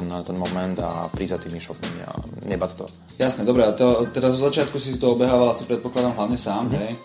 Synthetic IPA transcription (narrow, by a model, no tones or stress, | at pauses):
nt̪ɛnmɔmɛnd̪a̰pɾizat̪iːmiʃɔkimḭa̰ɲɛbat̪t̪ɔ̰ | jasnɛd̪ɔbɾɛat̪ɔt̪ɛɾazɔzat͡ʃɪat̪kusisit̪ɔɔbɛɦaːʋalasipɾɛt̪̚pɔklad̪amɦlaʊɲɛsaːmɦɛj